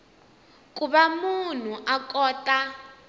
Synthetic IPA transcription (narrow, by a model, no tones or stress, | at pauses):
kuβamun̤uʔakʼɔːta